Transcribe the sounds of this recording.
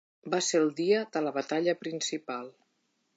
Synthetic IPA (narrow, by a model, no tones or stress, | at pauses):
baseəlˠd̪iəðələβət̪aʎəpɾinsipalˠ